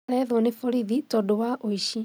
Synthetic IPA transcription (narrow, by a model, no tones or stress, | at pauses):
ɾɛðwɔnefoɾiðitɔdowaʔoiʃi